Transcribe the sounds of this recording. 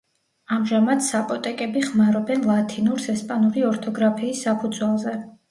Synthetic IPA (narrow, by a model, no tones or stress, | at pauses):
amʒamad̪sapʼɔt̪ʼɛkʼɛbiχmaɾɔbɛnlˠat̪ʰinuɾsɛspʼanuɾiɔɾt̪ʰɔɡɾapʰiːsːapʰud̪zwɛlˠzɛ